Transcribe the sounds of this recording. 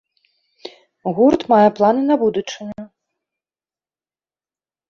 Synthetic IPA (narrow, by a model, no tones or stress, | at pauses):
ɣurt̪majɛplˠanɨnɐbud̪ut͡ʂɨnʲɐ